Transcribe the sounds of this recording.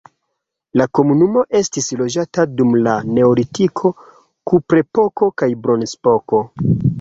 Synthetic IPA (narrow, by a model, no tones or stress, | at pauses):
lako̞munumo̞ʔe̞stislo̞d͡ʒatadumlane̞olitikʰo̞ | kupɾe̞po̞ko̞kajbɾo̞nspo̞ko̞